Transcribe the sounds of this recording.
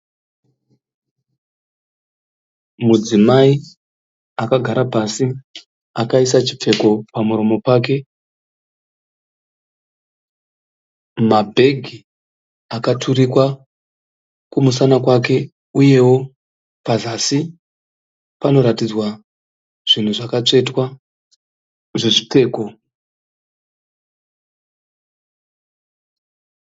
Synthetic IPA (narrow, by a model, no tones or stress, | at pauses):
mud͡zimai | akaɡʱaɾapasi | akaisat͡ʃi̥p͡fe̞ko̞pamuɾo̞mo̞paːk̬e̞ | mabʱe̞ɡʱi | akatʰurikwa | kumusanakwake̞ | uje̞wo̞ | pazasi | pano̞ɾatid͡zwa | ʐ̥in̤uʐakat͡ʂe̞twa | ʐeʐite̞ːko